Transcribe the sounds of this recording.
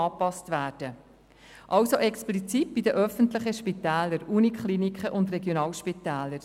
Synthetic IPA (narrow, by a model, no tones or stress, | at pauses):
ɑːpɑstʋæːɾd̥ə | ʔɑwsoʔɛksplit͡sit̚b̥idəʔœfəntlɪχəʃpitɛːləɾuːnikχlinikχəʔʊnd̪rɛɡjonɑːlʃpit̪ɛːləɾ